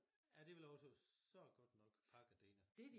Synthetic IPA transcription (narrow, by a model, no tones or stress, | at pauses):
jæd̥e̝ʋelɒsəsɒɡ̥ɒ̽d̥nɒ̽ɡ̥pʰɑ̈ɡ̥æd̥eːnɐd̥e